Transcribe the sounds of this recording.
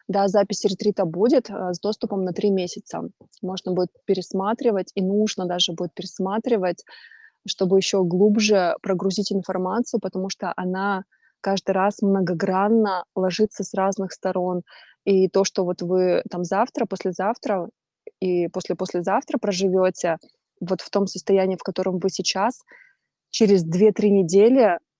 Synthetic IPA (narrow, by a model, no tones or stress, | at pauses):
d̪azapʲɪsʲɾʲɪt̪ɾʲit̪əbudʲɪt̪ːzd̪o̞st̪ʊpəmnɐt̪ɾʲimʲesʲɪt̪sə̰ | mo̞ʐnəbudʲɪt̪̚pʲɪɾʲɪsmat̪ɾʲɪvətʲinuʐnəd̪aʐɨbudʲɪt̪̚pʲɪɾʲɪsmat̪ɾʲɪvətʲ | ʂt̪o̞bɨjɪɕːo̞ɡlˠubʐɨpɾəɡɾʊzʲitʲɪnfɐrmat̪sɨjʊpət̪ɐmuʂt̪oʔɐna | kaʐd̪ɨjɾasmnəɡɐɡɾanːəlˠɐʐɨt̪səsraznɨxst̪ɐɾo̞n | it̪o̞ʂt̪ovo̞t̪vɨt̪amzaft̪ɾəpo̞sʲlʲɪzaft̪ɾə | ipo̞sʲlʲɪpo̞sʲlʲɪzaft̪ɾəpɾəʐɨvʲo̞tʲɪ | vo̞t̪ft̪o̞msəst̪ɐjænʲiːfkɐt̪o̞ɾəmvɨsʲɪt͡ɕas | t͡ɕɪɾʲɪzd̪vʲe̞t̪ɾʲinʲɪdʲelʲɪ